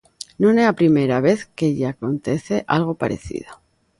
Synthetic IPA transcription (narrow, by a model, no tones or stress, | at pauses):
nõneapɾime̞ɾaβe̞θkeʎaako̞nt̪e̞θeʔalɣ̞o̞pa̰ɾe̞̰θḭðo